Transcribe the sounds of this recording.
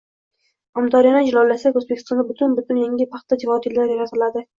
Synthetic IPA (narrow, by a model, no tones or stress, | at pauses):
ɒmt̪ʰɒɾijanɪd͡ʒɪlɒlːasakʲɵzbekʰʲɪ̥st̪ɒnd̪abʊt̪ʰʊnbʊt̪ʰʊnjeŋʲɪpʰɑχt̪ːad͡ʒɪvɒt̪ʰjɪlːaɾjaɾat̪ʰɪlad̪ɪ